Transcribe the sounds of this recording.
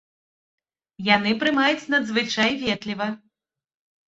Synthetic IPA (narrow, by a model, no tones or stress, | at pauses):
janɨpɾɨmajut͡sʲnɐd̪zvɨt͡ʂajvʲɛt̪lʲivɐ